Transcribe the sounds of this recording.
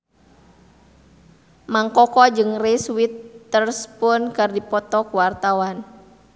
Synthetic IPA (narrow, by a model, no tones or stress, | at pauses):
maŋkɔkɔd͡ʒɨŋriswit̪ːərspʊnkɨrdipɔt̪ɔkuwart̪awan